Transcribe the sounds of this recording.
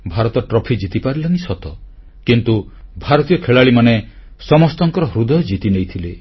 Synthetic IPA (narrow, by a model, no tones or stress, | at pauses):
bʱaɾɔt̪ɔʈɾɔpʰid͡ʒit̪ipaɾilaŋisɔt̪ɔ | kint̪ubʱaɾɔt̪ijɔkʰeɭaɭimane | sɔmɔst̪ɔŋkɔɾɔɦɾud̪ɔjɔd͡ʒit̪inejt̪ʰile